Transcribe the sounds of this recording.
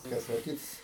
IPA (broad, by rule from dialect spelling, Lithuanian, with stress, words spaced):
ˈtɐs oː ˈkʲɪts